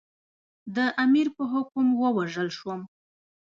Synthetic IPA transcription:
d̪əʔamiɾpəɦʊkʊmwəwaʒəlʃwəm

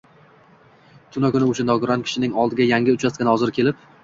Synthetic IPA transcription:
t̪ʰʊnakʲʊnɪʊʃanɒɡʊɾɒnkʰʲɪ̥ʃɪnɪŋɒlˠd̪ɪɡʲajaŋʲɪʊt͡ʃʰaskʲanhɒzɪɾkʲʰe̞lɪp

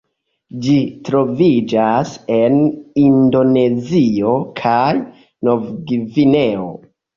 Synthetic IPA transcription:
d͡ʒitɾo̞vid͡ʒase̞nindo̞ne̞zio̞kʰaj | no̞vɡivine̞o̰

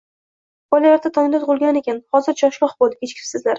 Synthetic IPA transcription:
bɒjlalaɾd̪ʰat̪ʰɒmɪnd̪at̪ʰʊʁʊlˠɡʲanekʲʰanhɒzɪɾd͡ʒʰɒʃlˠɒχbolˠd̪ɪkʲʰet͡ʃkʲʰɪ̥sɪzlaɾ

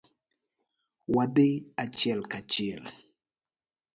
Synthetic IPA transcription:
wadeat͡ʃɪɛlkat͡ʃɪɛl

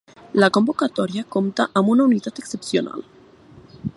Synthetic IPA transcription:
lako̞mbo̞kat̪oɾjakomt̪aʔamunauniðat̪ekse̞psjo̞̰na̰l

